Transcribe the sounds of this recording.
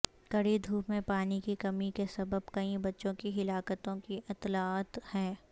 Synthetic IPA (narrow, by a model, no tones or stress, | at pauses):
kɐɽid̪ʱuːpmẽpaːnikikɐmikesɐbəbkɐĩbɐtːʃõkiɦɪlaːkət̪õkiʔɪt̪laːt̪hɛː